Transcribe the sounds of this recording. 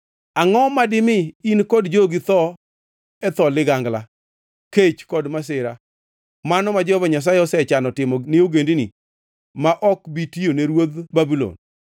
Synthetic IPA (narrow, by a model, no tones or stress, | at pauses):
aŋɔmadɪmɪinkɔdd͡ʒoɡit̪ɔ | ɛt̪ɔlɪɡaŋɡla | ket͡ʃkɔdmas̬ɪɾa | manɔmad͡ʒɔvaɲas̬aeɔsɛt͡ʃanɔtɪmɔnɪoɡendinḭ | maʔɔkbitioneɾwod̪babilo̰n